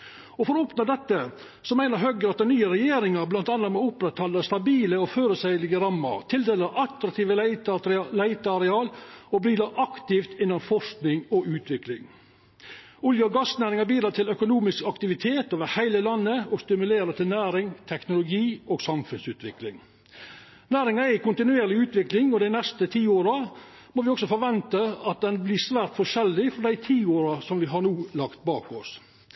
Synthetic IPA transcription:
ɔfɔɾɔɔːpnəd̪ɛt̪ːə | sɔmæɪnəɾɦœɡəɾɑt̪̚d̪ɛnyːəɾɛjeːɾɪŋɑɾblɑnt̪ɑnːɑt̪mɛʊpɾɛt̪hɑlːəst̪ɑbiːləɔføːɾəsæɪlɪɡəɾɑmːə̰ɾt̪ʰɪld̪eːləɾɑt̪ɾɑk̚t̪ʰiːʋə | læɪt̪əɑɾɛɑːlɔbɾiːd̪əɾʔɑkt̪ɪft̪ɪnːɑnfɔʂknɪŋɔʉːt̪ʰʋɪklɪ̰ŋ | ʊljəɔɡɑsnæːɾɪŋɑbiːd̪ɾɑːt̪ʰɪlœkʊnuːmɪskɑkt̪ɪʋɪt̪ʰeːt̪oːʋəɾhæɪləlɑnːəɔst̪ɪmʉleːɾət̪ɪlnæːɾɪŋt̪ʰɛknʊlʊɡiːɔːɡsɑmfʉnsʉːt̪ʋɪklɪŋ | næːɾɪŋɑɛɪkʰʊnt̪ɪnʉeːɾlɪʉːt̪ʋɪklɪŋɔd̪æɪnɛst̪ət̪ʰiːoːɾɑ | mɔːʋɪɔksɔfɔɾʋɛnt̪əɑt̪̚d̪ɛnbliːsʋæːɾt̪fɔʂɛlːɪfɔɖ̪æɪt̪ʰiːoːɾɑsɔmʋɪɦɑnuːlɑkt̪̚bɑːkɔs

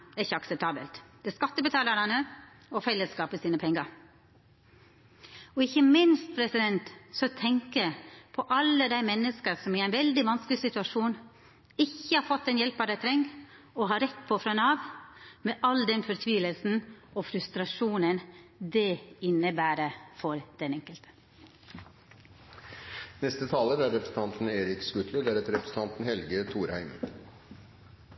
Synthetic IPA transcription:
ɛɾɪçːəɑksɛp̚t̪ʰɑːbə̰lt̪d̪̥ɛskɑt̪ːəbət̪ʰɑːləɾɑnə | ɔfɛlːəskɑːpəsiːnəpʰɛŋːəɾ | ɔɪçːəmɪnst̪̚pʰɾɛsɪd̪ɛnt̪sɔt̪ʰɛŋkəpʰɔʔɑlːəd̪æɪmɛnːəskəɾsɔmɪæɪnʋɛld̪ɪʋɑnsklɪsɪt̪ʉɑʂuːn | ɪçːəhɑɾfɔt̪ːɛnjɛlpɑd̪æɪt̪ʰɾɛŋɡ | ɔɦɑɾɛt̪ːpʰɔfɾɑnɑːʋmeʔɑld̪ɛnfɔɾt̪ʰʋiːləlsn̩ɔfɾʉst̪ɾɑʂuːnənd̪ɛɪnːəbæːɾəfɔɾd̪̥ɛnɛŋkəlt̪ə̥ | nɛst̪ət̪ʰɑːləɾæɾɾɛpʰɾəsn̩t̪ɑnt̪n̩eːɾɪkskʉt̪ʰləd̪æɾɛt̪ɾɛpʰɾəsn̩ʰɑnt̪n̩hɛlɡət̪ʰuːɾhæ̰ɪm

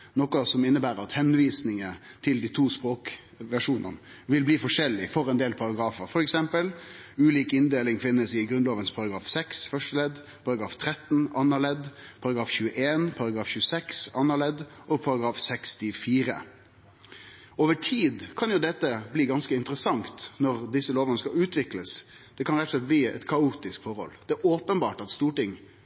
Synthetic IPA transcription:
nɔkʊsɔmɪnːəbæːɾəɑt̪hɛnʋiːsnɪŋət̪ʰɪld̪iːt̪ʰuːspɾoːk | ʋæʂuːnʔə̰n | ʋɪlbliːfɔʂɛlːɪfɔɾɛnd̪eːlpʰɑɾɑɡɾɑːfəɾfɔɾɛksɛmpəlʉːliːkɪnd̪eːlɪŋfɪnːəsɪɡɾʉnloːʋənspʰɑɾɑɡɾɑːfsɛksfœʂʈəlɛd̪ | pʰɑɾɑɡɾɑːft̪ʰɾɛt̪n̩ɑnːɑlɛd̪pʰɑɾɑɡɾɑːfçʉːəʔeːnpʰɑɾɑɡɾɑːfçʉːəsɛksɑnːɑlɛd̪ɔpʰɑɾɑɡɾɑːfsɛkst̪ʰɪfiːɾə̰ | oːʋəʈʰiːd̪kʰɑnjʊd̪ɛt̪ːəbliːɡɑnskəɪnt̪əɾəsɑŋt̪nɔʁd̪ɪsːəloːʋənəskɑʉːt̪ʋɪkləs | d̪̥ɛkʰɑnɾɛt̪ːəslɛt̪̚bliːɛ̰t̪kʰɑuːt̪ɪskfɔɾhɔ̰ld̪̥ɛæoːpənbɑːʈɑt̪st̪uːʈɪŋ

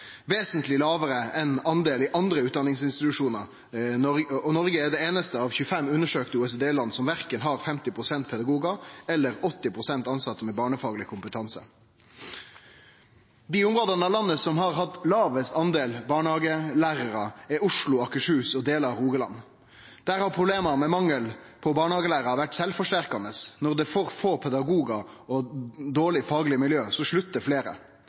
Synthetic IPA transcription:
ʋeːsənt̪lɪlɑːʋəɾəɛnɑnd̪eːlɪʔɑnd̪ɾəʉːt̪̚d̪ɑnɪŋsɪnst̪ɪt̪ʉʂuːnəʁ | ɔnɔʁɡəɛd̪ɛeːnəst̪əɑːʋçʉːəfɛmːʉnːəʂøːkt̪əuɛsd̪eːlɑnːsɔmʋæʁkənɦɑʁfɛmt̪ɪpʰʁʊsɛnt̪̚pʰɛd̪ɑɡuːɡɑɛlːəɾɔt̪ːɪpʰʁʊsɛnt̪ɑnsɑt̪ːəmɛbɑːɳəfɑːɡəlɪkʰʊmpət̪ʰɑnsə̰ | d̪iːʊmʁoːd̪ɑnəɑʋlɑnːəsɔmɦɑʁɦɑt̪lɑːʋəsɑnd̪eːlbɑːɳəhɑːɡəlæːʁəʁɑɛʊʂlʊɑkəʂʉːsɔd̪eːləɑuːɡəlɑ̰nː | d̪̥æːʁhɑʁpʰʁʊbleːmɑmɛmɑŋːəl | pʰɔbɑːɳəhɑːɡəlæːʁɑʋæʈsɛlfɔʂʈæʁkɑnəsnɔʁd̪ɛfoːʁfoːpʰɛd̪ɑɡuːɡɑɔd̪oːɭɪfɑːɡlɪəmɪljøːsɔʂɭʉt̪d̪əfleːɾə̰

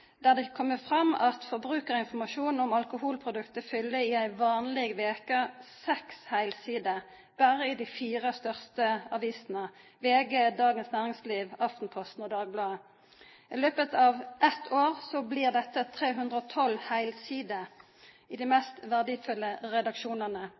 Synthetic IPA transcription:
d̪̥æʁd̪ɛkʰɔmːəfʁɑmɑt̪fɔʁbʁʉːkəʁɪnfɔmɑʃuːnn̩ɔmɑlkʊhuːlpʰʁʊd̪ʉkt̪əfʏlːəɪæɪʋɑːnlɪɡʋeːkəsɛkshæɪlsiːd̪ə | b̥æʁəɪd̪ifiːʁəst̪œʁst̪əɑʋiːsnə | ʋeːɡeːd̪ɑːɡənsnæːʁɪŋsliːʋɑft̪n̩pʰɔst̪nɔd̪ɑːɡ̚blɑːə | ɪløːpət̪ʰɑːʋʔɛt̪ʰoːʁsɔbliːʁd̪ɛt̪ːət̪ʰʁeːɦʉnd̪ʁəɔt̪ʰɔlhæɪlsiːd̪ə | ɪd̪ɪmɛst̪ʋæʁd̪ifʉlːəʁɛd̪ɑkʃuːnəʁnə

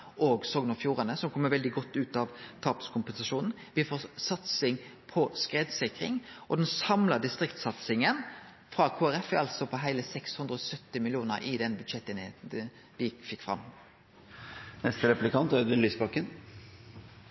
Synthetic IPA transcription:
ʔoːɡsɔɡnəfjuːʁɑnəsɔmkʰɔmːəʋɛld̪ɪɡɔt̪ːʉːt̪ɑʋt̪ʰɑːpskʰʊmpɛnsɑʂuːnn̩ | ʋɪfoːsɑt̪sɪŋpʰɔskʁeːd̪sɪkʁɪ̰ŋʔɔd̪ɛnsɑmlɑd̪ɪst̪ʁɪkt̪sɑt̪sɪŋən | fʁɑkʰoːæɾɛfɑlt̪sɔpʰɔɦæɪləsɛkshʉnd̪ʁɾəɔsœt̪ːɪmɪlɪuːnə̰ɾʔɪd̪ɛnbʉd̪ʃɛt̪ːɪnheːt̪n̩ | ʋɪfɪkːfʁɑ̰mː | nɛst̪əɾɛplɪkɑnt̪æd̪ɛnlyːsbɑkːən

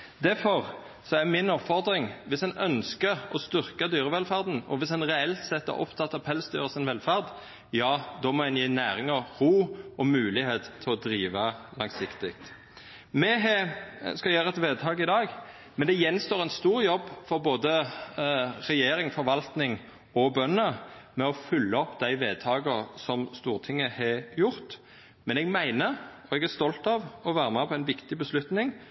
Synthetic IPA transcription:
d̪æfɔʁ | sɔæmɪnɔpfɔʁd̪ɾɪŋʋɪsɛnœnskəɔst̪ʏʁkɑd̪yːʁəʋɛlfæʁd̪n̩ɔ̰ʋɪsɛnʁɛɛlt̪sɛt̪ːɔ̰ʔɔ̰pt̪ʰɑt̪ːɑpʰɛlsd̪yːʁəsɪnʋɛlfæʁd̪ | jɑːd̪ɔmɔɛnjiːnæːɾɪŋəʁʁuːɔmʉːlɪɦeːt̪ʰːɪlɔd̪ɾiːʋɑlɑŋsɪkt̪ɪk̚t̪ | mɛɦɛskɑjæːɾəɛt̪ʋeːd̪̚t̪ʰɑːkɪd̪ɑːɡ | mɛnd̪ɛjɛnːst̪oːʁɛnst̪uːɾjɔbːfɔʁboːd̪ə | ʁɛjeːɾɪŋfɔɾʋɑlt̪nɪŋ | ɔbœnəmɛɔfʏlːəɔpːd̪æɪʋeːd̪̚t̪ʰɑːɡəʁsɔmst̪uːʁt̪ʰɪŋːəhɛjʊʁt̪ | mɛnɛɡmæɪnəɔɛɡæʁst̪ɔlt̪ɑʋɔʋæːɾəmɛpʰɔæɪnʋɪkt̪ɪbəslʉt̪nɪŋ

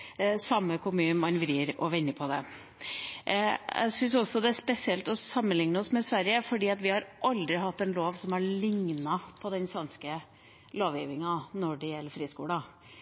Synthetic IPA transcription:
sɑmːəkʰʊmʉːnmɑnʋɾiːɾɔʋɛnːəpʰɔd̪ɛ | æ̰ɪsʏns̬ɔsːɔd̪ɛæʂpɛsɪɛlt̪ɔsɑmːənlɪŋnəɔsmɛsʋæɾjəfɔɖiːɑt̪ʋɪhɑɾʔɑld̪ɾɪɦɑt̪ːɛnloːʋsɔmhɑɭɪŋnɑpʰɔd̪ɛnsʋɛnskə | loːʋjiːʋɪŋɑnɔɖɛjɛlːəɾfɾiːskuːlɑ

